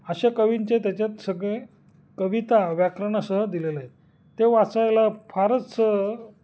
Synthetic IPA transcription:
əɕakəʋint͡ɕet̪jat͡ɕjat̪səɡɭe | kəʋit̪aʋjakɾəɳ̃səɦəd̪ileləɦet̪ː | eʋat͡sajlafʰaɾət͡ssəɦ

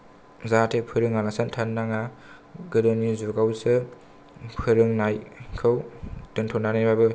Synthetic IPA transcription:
zatʰepʰɯɾɯŋalasantʰanːaŋa | ɡɯdɯnizuɡawsɯ | pʰɯɾɯŋnajkʰɯwd̥ɯntʰɔnanajbabɯ

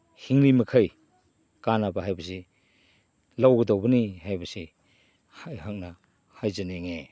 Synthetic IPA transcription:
hiŋnimɐkʰaj | kanabaɦajbɐs̬i | lawɡɐdowbɐnihajbɐsi | hajhak̚na | hajzaneŋe

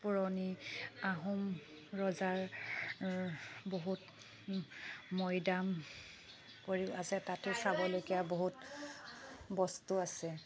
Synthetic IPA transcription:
puɹɔniaɦum | ɹɔzaɹ | boɦut | mɔjdam | koɹiazɛtatʊsabɔlojkijaboɦut | bɔstuasɛ

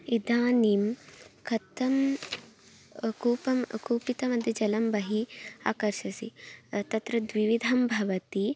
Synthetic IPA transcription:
id̪aːnimkʰɐt̪ɐm | kuːpɐmkuːpit̪ɐmɐd̪ʱjɐd͡ʒɐlɐmbɐɦia̰ːkɐɾʃɐsḭt̪ɐt̪ɾɐd̪ʋiʋid̪ʱɐmbʱɐʋɐt̪i

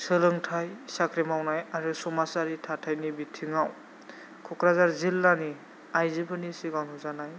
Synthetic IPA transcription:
sələŋtʰajsakɾimawnajaɹusumasaɹitʰatʰajnibitʰːiŋaw | kʰukɾazaɹzilːani | ajzibʰɯnisiɡanuzanaj

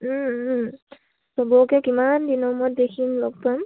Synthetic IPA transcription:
sɔbɔkɛkimandinɔmɔt̚dekʰimlok̚pam

